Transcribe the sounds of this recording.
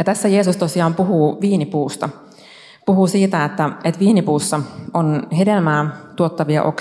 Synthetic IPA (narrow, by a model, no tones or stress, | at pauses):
jɑt̪æsːæjeːsust̪osiɑːmpuɦuːʋiːnipuːst̪ɑ | puɦusiːt̪æet̪ːæet̪ʋiːnipuːsːɑonɦedelmæːt̪uot̪ːɑʋiɑ̰ʔo̰k